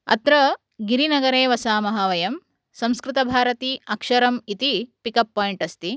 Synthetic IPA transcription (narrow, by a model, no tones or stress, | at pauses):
ɐ̰t̪ɾɐ | ɡiɾinɐɡɐɾeːʋɐsaːmɐɦɐʋɐjɐm | sɐ̃mskɾɪt̪ɐbʱaːɾɐt̪iɐkʂɐɾɐmit̪ipikɐpːaːjiɳʈɐst̪i